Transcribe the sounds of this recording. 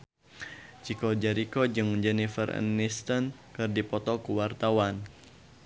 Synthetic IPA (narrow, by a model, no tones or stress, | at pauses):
t͡ʃikɔd͡ʒɛɾikɔd͡ʒɨŋd͡ʒɛnifə̰rə̰nːist̪ənkɨrdipɔt̪ɔkuwart̪awan